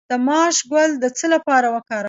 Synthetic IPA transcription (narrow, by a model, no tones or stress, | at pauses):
d̪̥əmɑʃɡwald̪ət͡səlapɑɾawəkɑɾa